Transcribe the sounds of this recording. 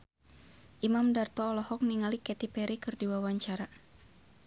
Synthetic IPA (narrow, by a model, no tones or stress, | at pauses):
ʔimamdart̪ɔːlɔhɔk̚niŋalikɛt̪ipɛɾikɨrdiwawaɲt͡ʃaɾa